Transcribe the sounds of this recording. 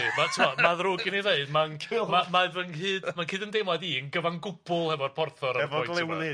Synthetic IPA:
matʰəmɔmaðrʊɡɪnineɨdmanmamaðənhɨːd̥mankʰɨːdəndemɔðiənɡəvaŋɡʊbʊlˠhɛvɔrpʰɔrθɔɾaɛvɔɔjɡlˠɛwnɪ

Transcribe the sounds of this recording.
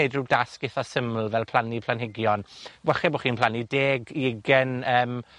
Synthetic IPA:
eɨdruwdaskɪθɔsəml̩ˠvɛlˠpʰl̥ˠanipʰlanhɪɡjɔnwɛχɛboχiːnpʰlˠanideːɡiɪɡɛnəːm

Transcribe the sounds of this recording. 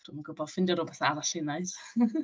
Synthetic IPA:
d̥umanɡəbɔð̥fɪndjɔɾoːbɛθaaɾaɬɪnajθ

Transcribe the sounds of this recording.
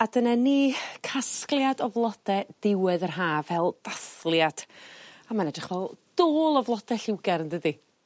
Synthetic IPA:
adənaniːkʰasklˠjadɔvlˠɔd̥ɛd̥ɪwɨðərɦaːvɛlˠd̥aθlˠjad̥amanɛdrɪχvɛlˠd̥oːlˠɔvlˠɔd̥ɛɬɪwɡɛrndədi

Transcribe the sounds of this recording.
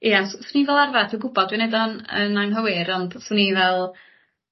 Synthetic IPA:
iasswunivɛlˠarvadʰiwɡʊbɔd̚winedɔnə̰naŋɦəwɪɾɔnd̥sunivɛlˠ

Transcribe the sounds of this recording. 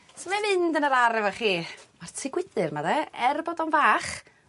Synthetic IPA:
sɔmɛmɪndənəɾaɾɛvaχiːmartʰɪɡwɪd̥ɨrmaðɛɛrbɔdɔnvaːχ

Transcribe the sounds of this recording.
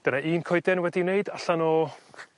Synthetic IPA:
d̥ənaiːnkʰɔjdɛnwɛdineɨdaɬanɔ

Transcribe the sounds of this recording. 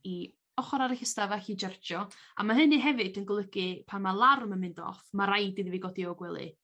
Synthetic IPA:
i | ɔχɔɾaɾɪɬəstavaɬid͡ʒɛrd͡ʒɔ | a̰maɦɨniɦɛvɨdənɡlˠəɡɨpʰanmalˠarmənmɪndɔ̰fmaɾajdiðiviɡɔdiɔɡwɛlˠɨ̰

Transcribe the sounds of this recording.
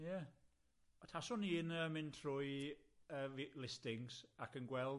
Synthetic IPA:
ja | ɔtʰasɔniɪnəmɪntʰrʊjəvilɪstɪŋsakənɡwɛlˠ

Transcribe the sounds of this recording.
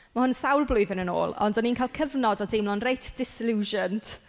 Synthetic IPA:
mahʊnsawlˠblˠʊjðənəno̰ːlˠɔ̰ndɔniːnkʰalˠkʰəvnɔdɔdejmlˠɔnrejtʰd̥ɪsɪluːʒənt

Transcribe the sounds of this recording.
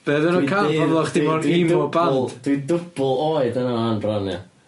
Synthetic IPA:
b̥ɛːðəɾəkʰaːvavlˠɔχd̥ɪmɔrimɔbalˠd̥d̥widʊb̥lˠoːɨdənaanbranɛ̰

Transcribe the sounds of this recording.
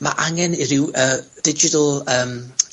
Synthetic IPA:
ma̰ʔaŋɛnɪɾɪwəːd̥ɪd͡ʒɪtəlˠəːm

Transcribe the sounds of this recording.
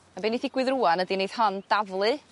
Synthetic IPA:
abeniθɪɡ̥wɨðruːanədinejð̥hɔnd̥avlˠɨ

